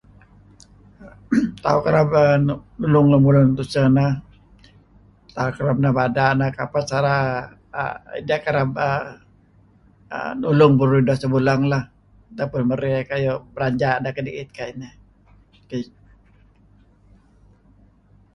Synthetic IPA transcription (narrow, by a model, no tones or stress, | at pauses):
t̪aukaɾabənnulʊŋlamulʊŋt̪usənah | t̪aukaɾab̚nahbadanahkapasaɾa | ə̰ḭdakaɾab̚ə | ə̰nulʊŋbəɾɾudasəbulaŋlah | t̪apʊnməɾikajobəɾaɲd͡ʒaʔdahkədiʔɪt̪̚kainə | kə